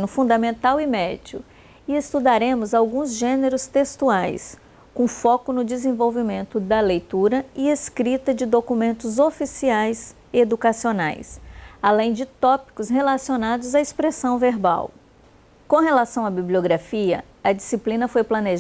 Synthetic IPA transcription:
nʊfũd̪ɐmẽnt̪awɪmɛd͡ʒʊ̰ | ɪest̪ud̪aɾẽmʊzawɡũzʒẽneɾʊst̪est̪uajs | kõfɔkʊnʊd͡ʒɪzẽvowvimẽnt̪ʊd̪ɐlejt̪uɾɐɪeskɾit̪ɐd͡ʒɪd̪okumẽnt̪ʊzofisiajz | ed̪ukasiona̰jsalẽj̃d͡ʒɪt̪ɔpi̥kʊsɦelasionad̪ʊzɐespɾesɐ̃w̃veɾba̰w | kõɦelasɐ̃w̃ɐbiblioɡɾafiɐ | ɐd͡ʒisiplĩnɐfojplɐneʒ

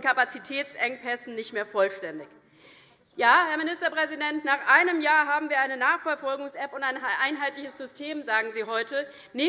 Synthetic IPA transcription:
kʰapat͡sitʰɛːt͡sʔɛŋpʰɛsn̩nɪçtmeːɐfɔlʃtɛndɪç | jaːhɛɐmɪnɪstɐpʁ̥ɛzidɛntnaːχʔaɪnəmjaːɐɦaːbm̩viːɐʔaɪnənaːχfɛɐfɔlɡʊŋsʔɛpʊntaɪnʔaɪnɦaɪtlɪçəsz̥ʏstʰeːmzaːɡŋ̩ziːɦɔʏtə | ne

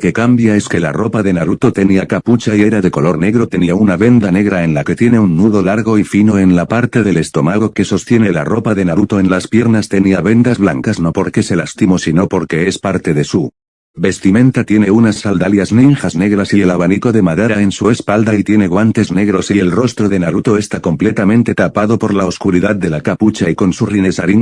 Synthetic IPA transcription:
ke̞kambjae̞ske̞la̰ro̞paðe̞naɾut̪o̞t̪e̞niakaput͡ʃaie̞ɾaðe̞ko̞lo̞ɾne̞ɣɾo̞t̪e̞niaunaβe̞nd̪ane̞ɣ̞ɾaenlake̞t̪je̞ne̞unːuðo̞laɾɣo̞ifino̞e̞nlapaɾt̪e̞ðe̞le̞st̪o̞maɣ̞o̞ke̞so̞st̪je̞ne̞la̰ro̞paðe̞naɾut̪o̞e̞nlaspje̞ɾnast̪e̞niaβe̞nd̪azβlaŋkazno̞po̞ɾke̞se̞last̪imo̞sino̞po̞ɾke̞e̞spaɾt̪e̞ðe̞su | be̞st̪imẽ̞nt̪at̪je̞ne̞unasːald̪aljazninxazne̞ɣ̞ɾasie̞laβaniko̞ðe̞maðe̞ɾae̞nsue̞spald̪ait̪je̞ne̞ɣwant̪e̞zne̞ɣ̞ɾo̞sie̞lro̞st̪ɾo̞ðe̞naɾut̪o̞e̞st̪ako̞mple̞t̪amẽnt̪e̞t̪apaðo̞po̞ɾlaoskuɾiðaðd̪e̞lakaput͡ʃaiko̞nsurinesaɾiŋ

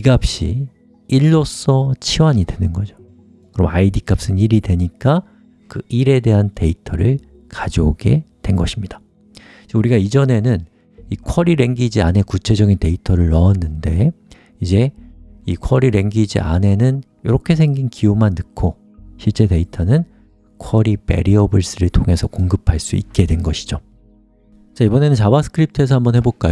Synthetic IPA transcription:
iɡap̚ɕ͈ḭ | iɭːos͈ʌt͡ɕʰiwaɲidwenɯnɡʌd͡ʑo̥ | kɯɾʌ̰maidik͈ʰap̚s͈ɯniɾidwe̞ɲik͈a | kɯiɾe̞de̞ɦante̞itʰʌɾɯɭ | kad͡ʑooɡe̞̰twe̞nɡʌɕʰimɲid̥a | t͡ɕuɾiɡaid͡ʑʌne̞nɯn | ikʰʌɾiɾe̞ŋɡid͡ʑiane̞kut͡ɕʰe̞d͡ʑʌɡinte̞itʰʌɾɯɭːʌːnːɯnde̞ | id͡ʑe̞ikʰʌɾiɾe̞ŋɡid͡ʑḭʔa̰ne̞nɯn | jʌɾʌkʰe̞s̬ʰe̞ŋɡinkiumanːɯkʰo | ɕʰiɭt͡ɕ͈e̞te̞itʰʌnɯn | kʰʌɾipe̞̰ɾiʌbɯɭs͈ɯɾɯɭtʰoŋe̞sʰʌkoŋɡɯpʰaɭs͈ṵik̚k͈e̞dwe̞nɡʌɕʰi̥d͡ʑo | t͡ɕaibʌne̞nɯnt͡ɕabasʰɯ̥kʰɯɾip̚tʰɯe̞s̬ʰʌambʌnɦhe̞boɭk͈ajo

